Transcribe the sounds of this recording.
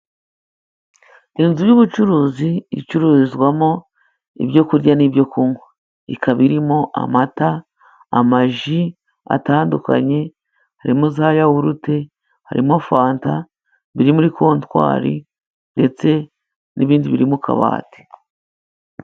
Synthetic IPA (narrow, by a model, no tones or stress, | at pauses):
inzujuβut͡ʃuɾuːziḭt͡ʃuɾuːizɡwamo̞ | ḭbɟo̞kuɾɟanibɟo̞kuŋo | ḭkʰaβiɾimo̞ʔa̰mataː | maʒi | a̰taːnduka̰ɲe̞ | haɾimozaːjawuɾute̞ | ha̰ɾʔimofaːnta | βiɾimuɾikʰo̞ːntwa̰ːɾḭ | nde̞t͡se̞ | niβiːndiβiɾimukʰa̰βa̰ːte̥